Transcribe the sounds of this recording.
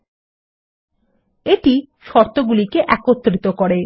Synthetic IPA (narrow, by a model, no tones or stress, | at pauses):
eʈi | ʃɔɾt̪oɡulikeʔɛkot̪ːɾit̪okɔɽe